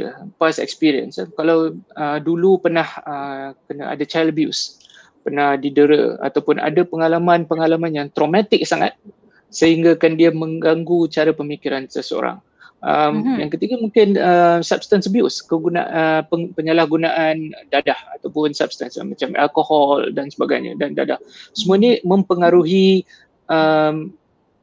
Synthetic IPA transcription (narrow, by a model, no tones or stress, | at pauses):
pasɛ̰kspiɾiə̰nskalawədulupərnahəkənaa̰dat͡ʃajlbjṵs | pərnahdidəɾə̰a̰t̪awpʊna̰dapəŋalamãnpəŋalamanjaŋt̪ɾomat̪ɪk̚saŋa̰t̪̚ | səhiŋɡakandiamə̃ŋɡaŋɡut͡ʃaɾapəmikiɾansəsəo̰ɾa̰ŋ | ʔəmjaŋkət̪iɡamuŋkɪnəmsap̚st̪ansbiʊ̰skəɡuna̰ʔəpəpəɲəlahɡunaʔandadaha̰t̪awpʊnsa̰p̚st̪ansmat͡ʃama̰lkohɔldansəbaɡa̰jɲə̰danda̰dahsəmuanimə̃mpəŋaɾuɦi | ʔəm